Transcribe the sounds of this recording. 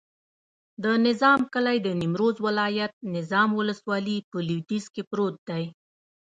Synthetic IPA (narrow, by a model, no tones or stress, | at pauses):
d̪ənɪzɑmkəlajd̪ənimɾozwɪlɑjat̪̚nɪzɑmwʊləswɑlipəliwt̪izkepɾot̪̚d̪aj